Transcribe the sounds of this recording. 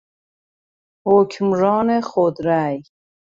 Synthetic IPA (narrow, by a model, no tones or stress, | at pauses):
hokʰmɾɔːneχod̪ɾaj